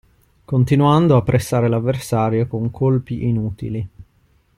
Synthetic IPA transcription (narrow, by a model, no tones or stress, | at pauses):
kont̪inuand̪oapːɾʔesːaːɾelavːersaːɾjokoŋkʰolpiʔinuːt̪ḭli